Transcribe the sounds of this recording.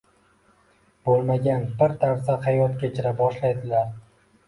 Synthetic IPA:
b̥olˠmaɡʲanbɪɾt̪ʰaɾsahajɒt̪kʲat͡ʃʰɪɾabɒʃlajd̪ɪlaɾ

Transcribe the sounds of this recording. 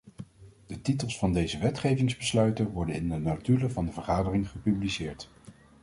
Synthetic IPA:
d̥ətitəlˠsfɑndejzəʋɛtχejvɪŋzbəslœɥtənʋɔɹdənɪndənatyləvɑndəvəɹχaːdərɪŋχəpyblisɪːɹt

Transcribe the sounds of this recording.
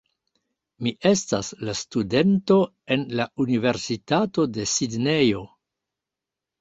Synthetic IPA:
miʔe̞staslastude̞nto̞ | e̞nlaunive̞ɾsitato̞de̞sidne̞jo̞

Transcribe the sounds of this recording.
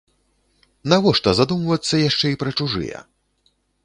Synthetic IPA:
navɔʂt̪ɐzad̪umvɐt̪sːɐjaʂt͡ʂɛipɾɐt͡ʂuʐɨ̰jɛ̰

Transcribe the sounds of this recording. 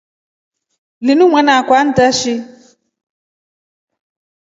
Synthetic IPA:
lɪnũmʷɛ̃nãkʷan̩taʃi

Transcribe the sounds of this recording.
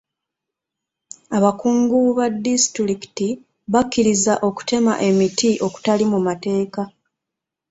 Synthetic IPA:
aβakuːŋɡuβadːistɾiki̥ti | βakːiɾizaʔo̞ku̥te̞ma̰ʔe̞mitiʔo̞ku̥talimumate̞ːka

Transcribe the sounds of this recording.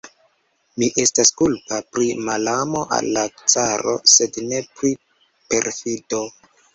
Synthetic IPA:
miʔe̞staskulpapɾimalamo̞ʔa̰lːat͡saɾo̞̰se̞dne̞pɾi | pe̞ɾfido̞

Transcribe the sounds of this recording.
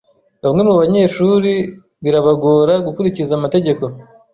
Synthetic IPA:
βamŋe̞muβaɲe̞ːʃuɾi | βiɾaβaɡoɾaɡukuɾicizaːmate̞ɟe̞ko̞

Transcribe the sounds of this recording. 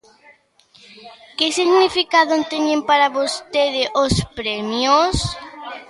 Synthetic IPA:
kɪsiɣnifikaðont̪eɲẽmpaɾaβost̪eðɪʔospɾɛmjos

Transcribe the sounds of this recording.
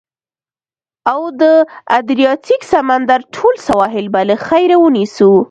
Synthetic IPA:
awd̪əad̪ɾijɑt̪iksamand̪aɾʈʰolsawɑɦɪlbaləxajɾawənisu

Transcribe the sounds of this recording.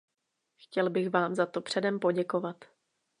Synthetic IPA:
xcɛlbɪxvaːmzat̪o̞pr̝̥ɛdɛmpo̞ɟɛko̞vat̪

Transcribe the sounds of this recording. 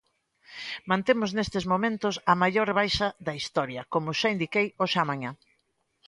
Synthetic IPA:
mãnt̪emʊznest̪ɪzmomẽnt̪ʊsɐmajʎoɾβajʃɐðɐist̪ɔɾjɐkomʊʃaind̪ikejoʃamaɲa

